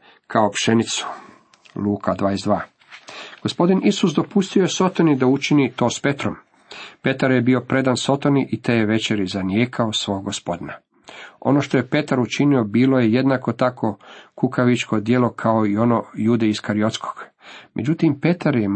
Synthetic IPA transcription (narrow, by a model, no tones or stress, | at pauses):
kaopʃe̞nit̪su̥ | luːkʰad̪ʋaːjezd̪ʋaː | ɡ̥o̞spo̞d̪inisusd̪o̞pust̪io̞jeso̞t̪onid̪aut͡ʃinit̪o̞ːspe̞t̪ɾo̞m | pe̞t̪aɾjebiːo̞pɾe̞d̪anso̞t̪o̞niʔit̪eːjeʋe̞t͡ʃe̞ɾizanjeːkʰaosʋo̞ːɡɡospo̞d̪ina | o̞̰no̞ʃt̪o̞je̞pe̞t̪aɾut͡ʃinio̞biːlo̞jeje̞d̪nako̞t̪akʰo̞kukʰaʋit͡ʃkʰo̞d̪je̞lo̞kʰaoio̞nojud̪eiskaɾio̞t̪skʰo̥ɡ̥ | mʔe̞̰d͡ʒut̪impe̞t̪aɾje